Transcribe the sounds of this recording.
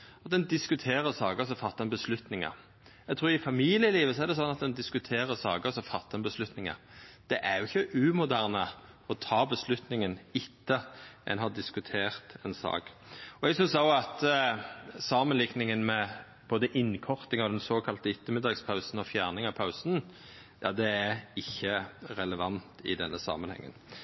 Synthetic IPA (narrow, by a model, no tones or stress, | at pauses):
ɑt̪̚d̪ɛnd̪ɪskʉt̪ʰeːʁəsɑːɡəs̬ɔfɑt̪ːɑnbəslʉt̪nɪŋə̰ | ɛɡt̪ʰɾuːɾɪfɑmiːlɪjəliːʋəsɔæʁd̪ɛsɔnːɑt̪̚d̪ɛnd̪ɪskʉt̪ʰeːʁəsɑːɡəsɔfɑt̪ːɑnbəslʉt̪nɪŋə̰ɾ | d̪̥ɛʔæɾjʊɪçːəʔʉːmʊd̪æʁnə | ɔt̪ʰɑːbəslʉt̪nɪŋənɪt̪ʰːəʔɛ̰nɦɑd̪ɪskʉt̪ʰeːʁt̪ɛnsɑ̰ːk | ɔɛɡsʏnsɑʊɑt̪ | sɑːmənlɪknɪŋənmɛ | b̥oːd̪əʔɪnkʰɔʁt̪ɪŋɑʋd̪ɛnsoːkʰɑlt̪əɪt̪ːəmɪd̪ɑːɡspʰɑʉsn̩ɔfjæːʁnɪŋɑpʰaʉsn | jɑ̰ːd̪ɛæɪçːəʁɛləʋɑnt̪ɪ̰d̪ɛnːəsɑ̰ːmənhɛ̰ŋːə̰n